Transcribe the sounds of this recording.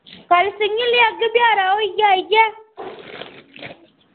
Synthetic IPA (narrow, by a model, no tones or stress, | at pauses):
kalsəɲilijaɡəbjaɾawaɡaɡe